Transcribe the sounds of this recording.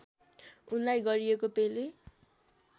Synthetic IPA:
unlajɡʌɾiekopele

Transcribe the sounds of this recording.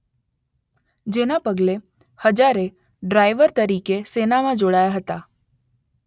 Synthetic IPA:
d͡ʒenapəɡle | həd͡ʒaɾe | ɖɾajʋəɾt̪əɾikesenamãd͡ʒoɽajaɦət̪a

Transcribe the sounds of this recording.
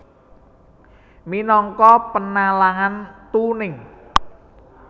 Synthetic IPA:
minɔŋkɔpənalaŋant̪unɪŋ

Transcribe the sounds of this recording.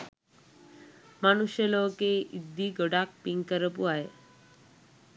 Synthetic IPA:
manuʃelokeid̪ːiɡoɽak̚piŋkəɾəpuaɦe

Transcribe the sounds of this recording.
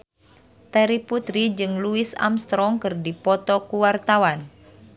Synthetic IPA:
t̪ɛɾiput̪ɾid͡ʒɨŋluisa̰mst̪ɾɔŋkɨrdipɔt̪ɔkuwart̪awan

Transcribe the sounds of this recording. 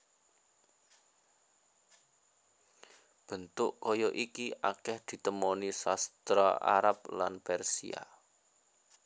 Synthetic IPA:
b̥ə̤nt̪ʊʔkɔjɔʔikiʔakɛhd̪̥i̤t̪əmɔnisast̪ɾɔa̰ɾap̚lanpɛrsḭa̰

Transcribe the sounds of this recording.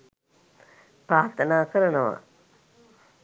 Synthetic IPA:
pɾaːt̪ɐnaːkɐɾɐnɐʋa̰

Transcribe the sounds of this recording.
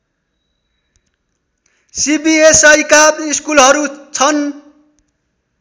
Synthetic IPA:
sibiesʌjkabiskulɦʌɾut͡sʰʌn

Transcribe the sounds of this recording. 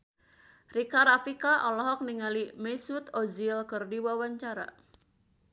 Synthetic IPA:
rikaɾafikaʔɔlɔɦɔk̚niŋalimɛsut̪ɔzilkɨrdiwawaɲt͡ʃaɾa̰

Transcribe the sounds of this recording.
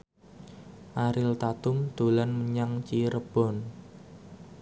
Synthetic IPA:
ʔaɾɪlt̪at̪ʊmd̪̥o̤lanməɲaŋt͡ʃiɾəb̥ɔ̤n

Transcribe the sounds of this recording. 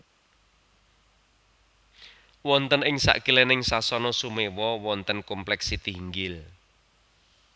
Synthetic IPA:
wɔnt̪ənɪŋsa̰ʔɡ̥ilɛnɪŋsasɔnɔsumewɔwɔnt̪ənkɔmplɛksit̪iŋɡɪl

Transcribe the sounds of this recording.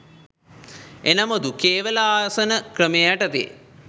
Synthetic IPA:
enɐmod̪ukeːʋɐlaaːsənəkrəmejaʈɐt̪ḛ

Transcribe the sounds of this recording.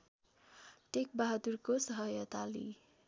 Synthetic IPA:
ʈek̚baɦad̪urkosʌɦʌjʌt̪alḭ

